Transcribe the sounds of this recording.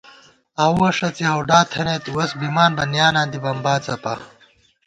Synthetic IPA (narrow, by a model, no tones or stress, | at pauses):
ɐwɐʂɐt͡sihɐwɖaːt̪ʰɐneːt̪uwɐsbimaːnbɐnjaːnãːnd̪ibɐmbaːt͡sɐpɐ